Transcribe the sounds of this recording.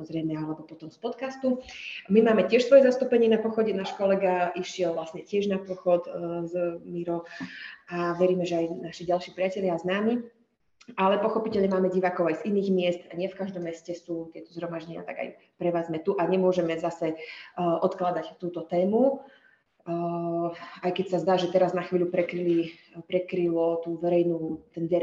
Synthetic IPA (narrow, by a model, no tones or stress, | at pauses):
samɔzɾɛjmɛalɛbɔpɔt̪ɔmspɔt̪kast̪umimaːmɛcɪɛʃsʋɔjɛzast̪uːpɛɲɪɛnapɔxɔɟɛnaːʃkɔlɛɡaʔiʃɪɛlʋlasɲɛcɪɛʒnapɔxɔt̪zmiɾɔ | aʋɛɾiːmɛʒɛajnaʃiɟalʃiːpɾiɪacɛʎaːznaːmi | ʔalɛpɔxɔpicɛlɲɛmaːmɛɟiʋaːkɔʊajziniːɣmɪɛst̪aɲɪɛfkaʒd̪ɔmːɛscɛsuːt̪ɪɛt̪ɔ̥zɦɾɔmaʒɟɛɲɪa̰t̪a̰ɡa̰j | pɾɛʋaːzmɛt̪uʔaɲɛmʊɔʒɛmɛzasɛʔɔt̪klad̪act̪uːt̪ɔt̪ɛːmu | ajkɛcsazd̪aːʒɛt̪ɛɾaznaxʋiːʎʲupɾɛkɾili | pɾɛkɾilɔt̪uːʋɛɾɛjnuːt̪ɛnʋɛɾ